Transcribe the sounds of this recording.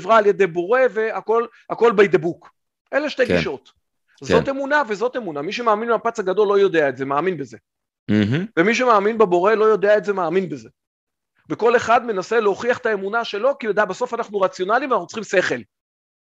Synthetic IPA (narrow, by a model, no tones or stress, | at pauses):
vʁaːlje̞d̪e̞jbo̞ʁe̞ve̞ako̞l | ako̞lbejd̪ebuk | ʔeleʃt̪e̞jɡiʃo̞t̪ | zote̞munavezo̞t̪e̞munamiʃ̬emaːminmeapat͡saɡad̪o̞lːo̞jo̞d̪eaetze̞maːminbeze̞ | vemiʃ̬emaːminbebo̞ʁe̞lo̞jo̞d̪eaetze̞maːminbeze̞ | veko̞le̞χad̪me̞nase̞leoχiaχet̪aemunaʃe̞lo̞kilod̪abaso̞fanaχnuʁat͡sjo̞nalimvanaχnut͡sχimse̞χe̞l